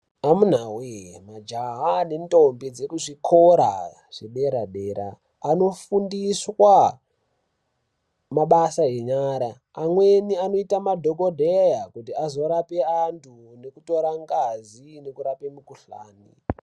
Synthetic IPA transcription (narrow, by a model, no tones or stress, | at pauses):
amun̤awemad͡ʒaɦanendombid͡zekuʐikʰoɾa̰ | ʐ̥eɓe̞ɾaɗeːɾa̰ː | no̞fundiswa | maɓasaɦeɲaɾaː | mweniano̞itamadʱo̞kodʱejakutiazo̞ɾapeantʰune̞kuto̞ɾaŋɡazine̞kuɾape̞mukuɬa̰ːni